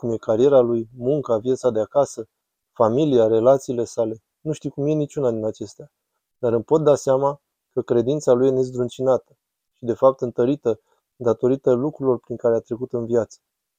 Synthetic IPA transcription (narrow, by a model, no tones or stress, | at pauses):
kumje̞kaɾije̞ɾalujmuŋkavjat̪sad̪eakasə | familiaɾe̞lat̪siːle̞sale̞ | nuʃt̪iwkumje̞nit͡ʃunad̪inat͡ʃe̞st̪ea | d̪̥aɾɨmpo̞t̪̚d̪aseama | kəkɾe̞d̪int̪salujenezd̪ɾunt͡ʃinat̪ə̥ | ʃid̪e̞fap̚t̪ɨnt̪əɾit̪ə | d̪at̪o̞ɾit̪əlukɾulo̞rpɾiŋkaɾeat̪ɾe̞kut̪ɨnviat̪sə̥